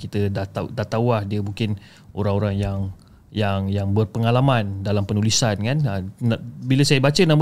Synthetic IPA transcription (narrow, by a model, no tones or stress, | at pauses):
kit̪ədat̪adat̪awahdiəmuŋkɪn | ʔoɾaŋoɾaŋjaŋ | jaŋjaŋbərpəŋalamãndalampənulisankannabiləsajəbat͡ʃənam